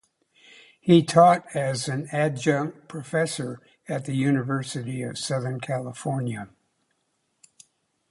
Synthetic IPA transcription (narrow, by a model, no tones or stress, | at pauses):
hitʰɔɾɨzɨ̃næd͡ʒʌ̃pʰɹ̥ɨfɛsə˞ | ɨt̪̚ðɨjʉnɨvɜ˞sɨɾiʌ̰v̥sʌðə̃˞nkʰælˠəfɔɹnjɨ